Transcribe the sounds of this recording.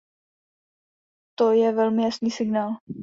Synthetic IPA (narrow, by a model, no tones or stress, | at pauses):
t̪ojɛʋɛlmɪjasniːsɪɡnaːl